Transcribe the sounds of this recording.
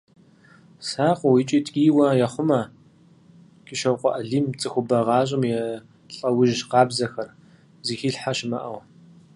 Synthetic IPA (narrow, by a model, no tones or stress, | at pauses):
saːqʷʊwiːt͡ʃʼiːtʼkʼiːwɐjɛχʷʊmɐ | kʼɪʃɐwqʷɔʔɐɮiːmt͡sʼɨxʷʊbɐʁɑːɕ̬ʼɪmjɛ | ɬʼɐwʊʒqɑːbzɐxɐr | ziːxiːɬħaʃɪmɐʔɐw